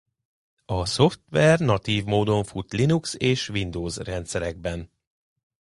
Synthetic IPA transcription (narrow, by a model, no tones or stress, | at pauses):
ɒso̞ft̪ʋɛrnɒt̪iːvmoːd̪o̞ɱfut̪linukseːʃʋind̪oːzrɛnt̪sɛɾɛɡ̚bɛn